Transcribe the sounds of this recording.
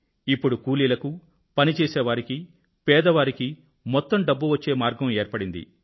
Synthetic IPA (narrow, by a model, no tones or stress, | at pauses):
ipːuɽukuːliːlɐku | pɐnit͡ʃɛːsɛːʋaːɾiki | pɛːd̪ɐʋaːɾiki | mɔt̪ːɐmɖɐbːuʋɐt͡ʃːe̞ːmaːɾɡɐmeːɾpɐɽind̪ḭ